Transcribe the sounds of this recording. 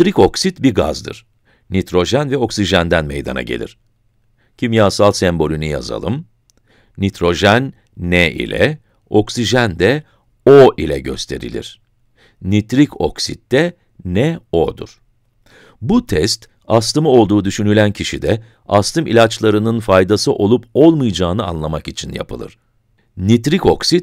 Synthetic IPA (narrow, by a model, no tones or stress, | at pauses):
ɾiko̞ksit̪biɾɡa̰zd̪ɯ̰ɾ̥ | nit̪ɾo̞ʒænvɛo̞ksiʒænd̪ænmḛjd̪a̰na̰ɟe̞lʲḭɾ̝̥ | cʰimjaːsalˠsɛmbo̞lʲynyja̰za̰lˠɯm | nit̪ʰɾo̞ʒænː | ɛʔḭlʲɛ̰ | o̞ksiʒænd̪ɛ | oʔilʲɛɟø̞̰st̪ʰe̞ɾḭlʲḭɾ̥ | nit̪ɾiko̞ksit̪̚d̪ɛ | nɛo̞d̪ṵɾ̥ | but̪ʰɛst̪ | ast̪ɯmɯo̞lˠd̪uːd̪yʃynylʲæncʰiʃid̪ɛ | ast̪ʰɯmʔilʲat͡ʃlˠaɾɯnɯnfajd̪asɯʔo̞lˠupʰo̞lˠmɯjd͡ʒaːnɯa̰nlˠamakit͡ʃʰinja̰pʰɯ̰lˠɯ̰ɾ̥ | nit̪ɾiko̞ksit̪̚